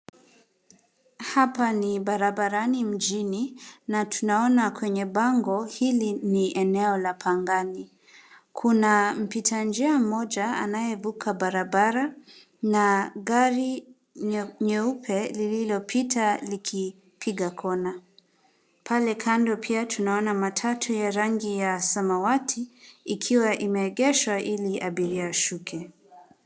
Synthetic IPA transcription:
hapaniɓaɾabaɾanim̩d͡ʒininatʰunaɔnakwɛɲɛɓaŋɡɔhiliniʔɛnɛɔlapʰaŋɡani | kʰunam̩pitʰand͡ʒiam̩mɔʄaa̰najɛvukʰaɓaɾabaɾa | naɡaɾi | ɲɛupʰɛlililɔpʰitʰalikʰi | pʰiɡakʰɔna | pʰalɛkʰandɔpʰiatʰunaɔnamatʰatʰujaɾaŋɡijasamawatʰiːkʰiwaʔimɛːɠɛʃwaʔiliʔaɓiɾiaʃukʰɛ

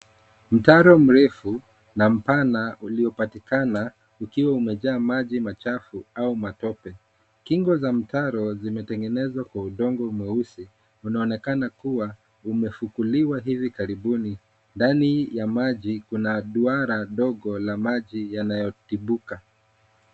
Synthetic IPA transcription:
m̩taɾɔm̩ɾɛfu | nam̩panaʔuliɔpatikana | ukiwaumɛʄaːmaʄimat͡ʃafuaumatɔpɛ | kiŋɡɔzam̩taɾɔzimɛtɛŋɡɛnɛzwakwauɗɔŋɡɔumɛusi | unaɔnɛkanakuwa | umɛfukuliwaɦivikaɾiɓuni | ndanijamaʄikunaɗuaɾaɗɔɡɔlamaʄijanajɔtiɓuka

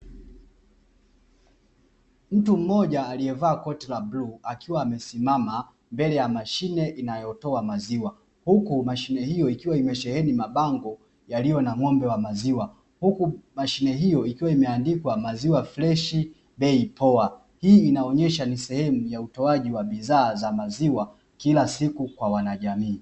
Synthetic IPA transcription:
m̩tum̩mɔʄaːliɛvaːkɔtɛlabluakʰiwaːmɛsimama | mbɛlɛjamaʃinɛʔinajɔtɔamaziwa | hukumaʃinɛhijɔikiwaimɛʃɛhɛnimaɓaŋɡɔ | jalijɔnaŋɔmbɛwamaziwa | hukumaʃinɛɦijɔikiwaimɛandikwamaziwaflɛʃi | ɓɛipɔa | hiːinaɔɲɛʃanisɛhɛmujautɔaʄiwaɓiðaːzamaziwa | kilasikukwawanaʄamiː

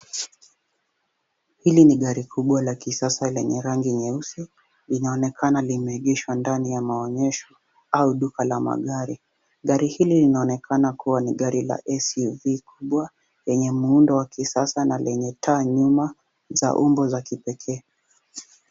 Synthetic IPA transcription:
hiliniɠaɾikʰuɓwalakisasalɛɲɛɾaŋɡiɲɛusi | linaɔnɛkʰanalimɛiɠɛʃwandanijamaɔɲɛʃɔ | auɗukalama̰ɠaɾi | ɠaɾihililinaɔnɛkʰanakuwaniɠaɾila̰ʔɛsivikʰuɓwa | jɛɲɛmuundɔwakisasanalɛɲɛtʰaɲuma | za̰ʔumbɔzakipɛkʰɛː

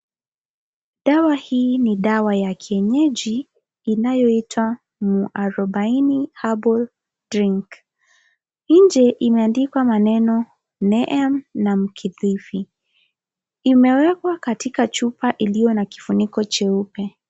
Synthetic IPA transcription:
ɗawahiːniɗawajakʰiɛɲɛʄiː | najɔitʰwa | muʔaɾɔɓainihabɔl | d̥ɾiŋk | n̩d͡ʒɛʔimɛandikwamanɛnɔ | nɛʔɛmnam̩kʰiðifi | imɛwɛkwakatikat͡ʃupaʔilijɔnaki̥funikɔt͡ʃɛupɛ

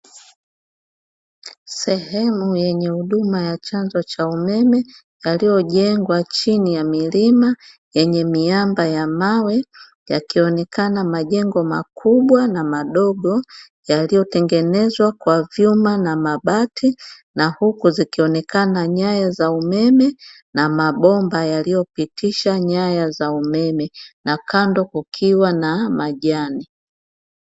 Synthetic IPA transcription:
sɛhɛmujɛɲɛhuɗumajat͡ʃanzɔt͡ʃaumɛmɛ | jalijɔʄɛŋɡwat͡ʃinijamilima | jɛɲɛmiambajamawɛ | ja̰kiɔnɛkanamaʄɛŋɡɔmakʰuɓwanamaɗɔɡɔ | jalijɔtɛŋɡɛnɛzwakwavjumanamaɓatʰi | nahukuzikiɔnɛkanaɲajazaumɛmɛ | namaɓɔmbajalijɔpitʰiʃaɲajazaumɛmɛnakandɔkukʰiwanamaʄani

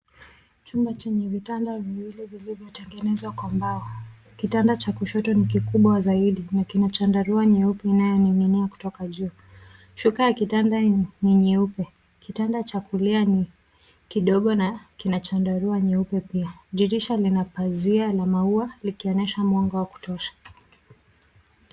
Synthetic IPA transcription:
t͡ʃumbat͡ʃɛɲɛvitandaviwilɛvilivjɔtɛŋɡɛnɛzakwambaɔ | kitandat͡ʃakuʃɔtɔnikikuɓwazaiɗinakinat͡ʃandaɾuaɲɛupɛinajɔniŋiniaku̥tɔkaʄuː | ʃukajakitandaniɲɛupɛ | kitandat͡ʃakuliani | kiɗɔɠɔnakinat͡ʃandaɾuaɲɛupɛpiaʄiɾiʃalinapazialamaualikiɔɲɛʃamwɔŋɡawaku̥tɔʃḁ

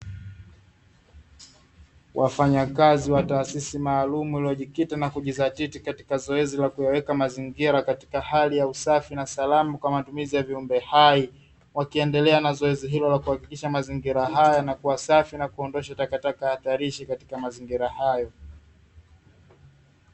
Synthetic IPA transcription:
wʔafaɲakaziwataːsisimaːlumuiliɔʄikitanakuʄizatitikati̥kazɔɛzilakujawɛkamaziŋɡiɾakati̥kahalijausafinasalamukwamatumizijaviumbɛhai | wakiɛndɛlɛanazɔɛziɦilɔlakuhakikiʃamaziŋɡiɾaɦajanakuwasafinakuɔndɔʃatakatakahaθaɾiʃikati̥kamaziŋɡiɾahajɔ

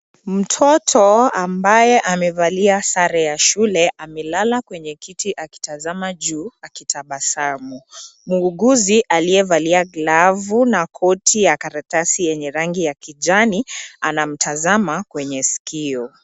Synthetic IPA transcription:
m̩tʰɔtʰɔambajɛʔamɛvaliasaɾɛjaʃulɛʔamɛlalakwɛɲɛkitiʔaki̥tazamad͡ʒuːakitʰaɓasamumuːɡuziʔaliɛvaliaɡlavunakʰɔtʰijakaɾatasijɛɲɛɾaŋɡijakid͡ʒanianam̩tʰazamakwɛɲɛsi̥kʰiɔ

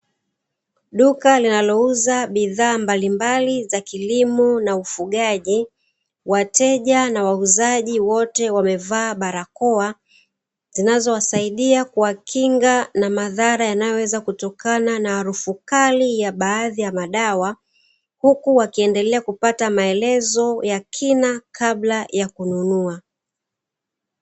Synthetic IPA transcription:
ɗukalinalɔuzaɓiðaːmbalimbalizakilimunaufuɠaʄi | watɛʄanawauzaʄiwɔtɛwamɛvaːɓaɾakɔa | zinazɔwasaiɗiakuwakʰiŋɡanamaðaɾajanajɔwɛzakutɔkananahaɾufukalijaɓaːðijamaɗawa | hukuwakiɛndɛlɛakupatamaɛlɛzɔjakʰinakʰablajakununua

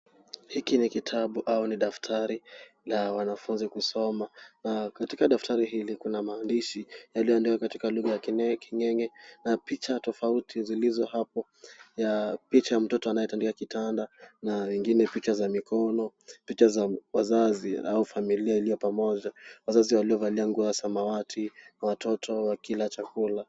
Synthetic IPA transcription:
hikinikitʰaɓuʔauniɗaftʰaɾi | lawanafunzikusɔmanakatikaɗaftʰaɾiɦilikunamaːndiʃijalijɔandikakatikaluɣajakiɲɛkʰiɲɛɲɛnapit͡ʃatɔfautʰizilizɔhapɔ | japit͡ʃajam̩tɔtɔanajɛtandikakitandanawɛŋɡinɛpit͡ʃazamikʰɔnɔpit͡ʃazawazaziaufamiliailijɔpamɔʄawazaziwaliɔvaliaŋɡuasamawatʰinawatʰɔtʰɔwakilat͡ʃakula

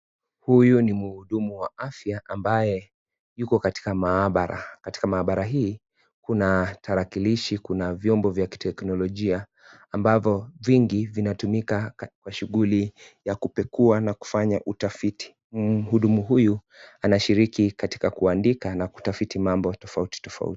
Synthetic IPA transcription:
hujunimuhuɗumuwaafjaʔambajɛ | jukɔkati̥kamaɓaɾa̰kati̥kamaːɓaɾaɦiː | kunatʰaɾakiliʃikunavjɔmbɔvjaki̥tɛknɔlɔʄiaː | mbavɔviŋɡivinatumikakwaʃuɠulijakupɛkuanaku̥faɲaʔutafiti̥ | huɗumuɦuju | anaʃiɾikikati̥kakuandikanaku̥tafitimambɔtɔfauti̥tɔfa̰ṵti̥

